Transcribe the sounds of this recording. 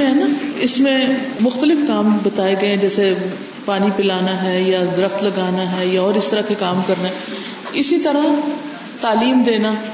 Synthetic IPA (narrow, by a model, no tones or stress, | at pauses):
ɦɛːnaɪsmẽmʊxt̪əlɪfkaːmbɐt̪aːeɡɐeɛ̃d͡ʒɛːse | paːnipɪlaːnaɦɛːjad̪ɪɾəxt̪lɐɡaːnaɦɛjaɔːɾɪst̪əɾakekaːmkɐɾnaɦɛ | ɪsit̪ɐɾa | t̪aːliːmd̪eːnaː